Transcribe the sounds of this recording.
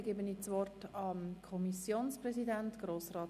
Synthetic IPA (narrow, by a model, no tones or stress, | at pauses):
ɡebəniːt͡sʋɔrtɑmkʰɔmisjoːnspɾrɛsidæntɡ̥roːsrɑːt